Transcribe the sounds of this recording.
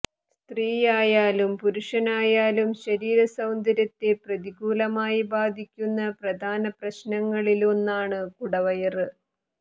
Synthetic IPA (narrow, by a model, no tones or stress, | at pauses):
st̪riːjaːjaːlumpuɾuʂɐnaːjaːlumɕɐɾiːɾɐsɐwnd̪ʱɐɾɐt̪ːe̞prɐd̪iɡuːlɐmaːjibaːd̪ʱikʲːunːɐprɐd̪ʱaːnɐprɐɕnɐŋːɐɭilonːaːɳɨkuɽɐʋɐjɐrɨ